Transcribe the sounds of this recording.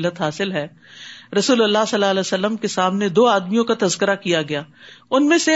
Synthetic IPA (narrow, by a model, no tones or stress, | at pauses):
lːət̪ɦaːsɪlɦɛː | ɾɐsuːləlːasɐlːalɛːsəlːəmkesaːmned̪oːaːd̪mijõkat̪ɐzkəɾakijaɡɐjaːʊnmẽse